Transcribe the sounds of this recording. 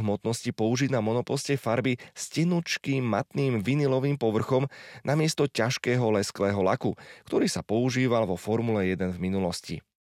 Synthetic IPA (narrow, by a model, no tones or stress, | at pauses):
ɦmɔt̪nɔscipɔuʒiɟnamɔnɔpɔscɛfaɾbiscɛnut͡ʃkiːmːat̪niːmʋinilɔʋiːmpɔʋr̩xɔmnamɪɛst̪ɔcaʃkɛːɦɔlɛsklɛːɦɔla̰kukt̪ɔɾiːsapɔuʒiːʋalʋɔfɔɾmulɛjɛd̪ɛnvminulɔscḭ